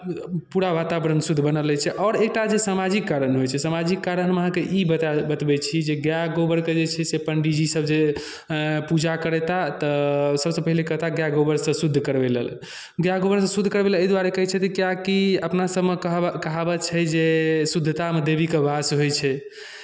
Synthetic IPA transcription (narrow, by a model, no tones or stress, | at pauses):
puɾaʋat̪abɾənsud̪ʱbənəlɛt͡ʃʰɛʔɔːɾek̚ʈad͡ʒesamad͡ʒikːaɾənɦojt͡ʃʰɛsamad͡ʒikːaɾənməɦãkeʔibəbət̪bɛt͡ʃʰid͡ʒeɡjaɡobəɾked͡ʒet͡ʃʰɛsepəɳɖid͡ʒisəbd͡ʒe | pud͡ʒakəɾɛt̪at̪əsəbsə̃pəɦilekəɦt̪aɡjaɡobəɾsə̃sud̪ʱːkəɾbelḛl | ɡjaɡobəɾsə̃sud̪ʱːkəɾbeleəd̪waɾekəɦɛt͡ʃʰɛt̪əkjakiəpnasəbʱmeəɦkəɦabət͡ʃʰɛd͡ʒesud̪ʱːt̪amed̪ebikebʱasɦojt͡ʃʰɛ